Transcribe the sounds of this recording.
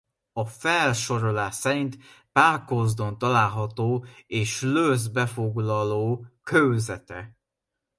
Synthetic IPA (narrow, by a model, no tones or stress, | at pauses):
ɒfɛlʃo̞ɾo̞laːsɛɾint̪ | paːrkozd̪o̞nt̪ɒlaːlɦɒt̪oːeːʃløzbɛfo̞ɡlɒloːkʰøwzɛt̪ɛ̰